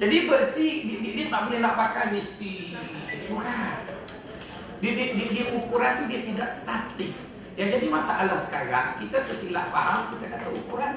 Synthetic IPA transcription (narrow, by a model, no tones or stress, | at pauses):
d͡ʒadibəʔt̪idididit̪aʔbolɛhlapakajmist̪i | tuɾa | didididiukuɾant̪udiat̪idaʔsə̥t̪at̪ɪk̚ | jaŋd͡ʒadimasaʔalahsə̥kaɾaŋkit̪at̪əsila̰ʔfaɦamkət̪akat̪aṵkuɾan